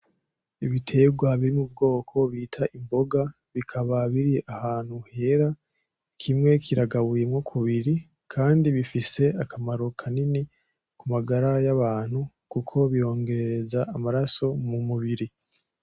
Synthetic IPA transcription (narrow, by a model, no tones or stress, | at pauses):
iβitʰe̞ɡwaβiɾimub̚ɡo̞ːkʰo̞βitʰaʔimbo̞ɡa | βikʰaβaβiɾiʔahaːn̥huhe̞ɾa | kʰimŋe̞kʰiɾaɡaβuje̞mŋo̞kʰuβiɾi | kʰaːndiβifise̞akamaɾo̞kʰanini | kumaɡaɾajaβaːn̥hu | kukʰo̞βijo̞ːŋɡe̞ɾeɾezaamaɾaso̞mumuβiɾi